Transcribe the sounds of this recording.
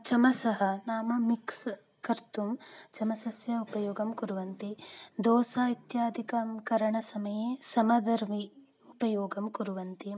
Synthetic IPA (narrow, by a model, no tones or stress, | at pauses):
t͡ʃɐmɐsɐɦɐnaːmɐmiks | kɐɾt̪umt͡ʃɐmɐsɐsjɐupɐjoːɡɐmkuɾuʋɐnt̪id̪ɔːsaːit̪jaːd̪ʱikɐmkɐɾɐɳɐsɐmɐjeːsɐmɐd̪ɐɾmi | upɐjoːɡɐmkuɾuʋɐnt̪i